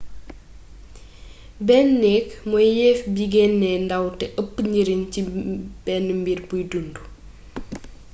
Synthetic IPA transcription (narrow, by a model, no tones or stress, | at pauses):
bɛnːɛkmɔjjɛfbiɡɛnːɛndɐwtɛʔəpːɲiɾincibɛnmbirbujdundu